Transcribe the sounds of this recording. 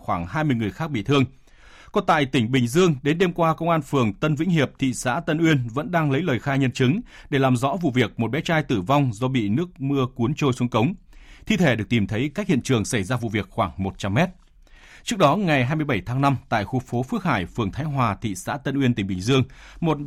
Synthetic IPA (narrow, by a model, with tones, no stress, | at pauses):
xwaː˧˩ŋɦaː˧jmɨ˧əjŋɨ˨˩əjxaː˦˥k̚ɓḭ˧˨t̪ʰɨ˧əŋ | kɔ˨˦t̪a̰ː˧˨jt̪ï˧˩ŋ̟ɓï˨˩ŋ̟zɨ˧əŋɗe˨˦nɗe˧mkwaː˧kə˧wŋ͡mʔaː˧nfɨ˨˩əŋt̪ə˧nvḭ˧˥ŋ̟ɦi˨˩əp̚t̪ʰḭ˧˨sa̰ː˧˥t̪ə˧nʔwi˧ənvə̰˧˥nɗaː˧ŋlə˨˦jləː˨˩jxaː˧jɲə˧nt͡ɕɨ˨˦ŋ | ɗe˧˩laː˨˩mzɔ̰˧˥vṵ˧˨vi˨˩ək̚mo˨˩t̚ɓɛ˨˦t͡ɕaː˧jt̪ɨ˧˩va˧wŋ͡mzɔ˧ɓḭ˧˨nɨ˦˥ək̚mɨ˧əku˨˦ənt͡ɕo˧jsu˨˦əŋkə˨˦wŋ͡m | t̪ʰi˧t̪ʰe˧˩ɗək̚t̪i˨˩mt̪ʰə˨˦jka˦˥k̚hḭ˧˨ənt͡ɕɨ˨˩əŋsa˧˩jzaː˧vṵ˧˨vi˨˩ək̚xwaː˧˩ŋmo˨˩t̚t͡ɕa˧mːɛ˦˥t̚ | t͡ɕɨ˦˥ək̚ɗɔ˨˦ŋa˨˩jɦaː˧jmɨ˧əjɓə˧˩jt̪ʰaː˨˦ŋna˧mt̪a̰ː˧˨jxu˧˩fo˨˦fɨ˦˥ək̚haː˧˩jfɨ˨˩əŋt̪ʰaː˨˦jɦwaː˨˩t̪ʰḭ˧˨sa̰ː˧˥t̪ə˧nʔwənt̪ï˩ŋ̟ɓï˨˩ŋ̟zɨ˧əŋmo˨˩t̚